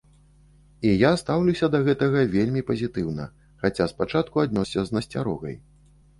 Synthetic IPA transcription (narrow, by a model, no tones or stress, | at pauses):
ijast̪awlʲuwsʲɐd̪ɐɣɛt̪ɐɣɐvʲelʲmʲipɐzʲit̪ɨwnɐ̰ | xat͡sʲaspat͡ʂat̪̚kuad̪nɔsʲɐznɐsʲt͡sʲaɾɔ̰ɣɐ̰j